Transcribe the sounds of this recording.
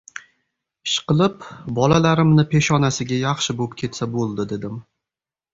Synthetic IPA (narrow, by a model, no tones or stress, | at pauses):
ʃqɨlˠɪpbɒlalaɾɪmnɪpʰe̞ʃɒnasɪɡʲajɑχʃɪbop̚kʲʰe̞t̪sabolˠd̪ɪd̪e̞d̪ɪm